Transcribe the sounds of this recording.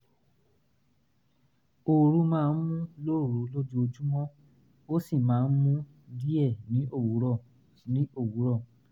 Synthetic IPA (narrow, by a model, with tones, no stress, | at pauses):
o˨ɾu˧mãː˦˧˦n̩˦mũ˦lo˦˨ɾu˨˦lo˦d͡ʒu˦o˧d͡ʒu˦w̃ɔ̃˦ | o˦si˦˨mãː˨˦n̩˦mũ˦ | di˦ɛ˦˨nĩ˨˦ʔo˦˨wu˨˦ɾɔ˦˨ | nĩ˨˦o˦˨wu˨˦ɾɔ˦˨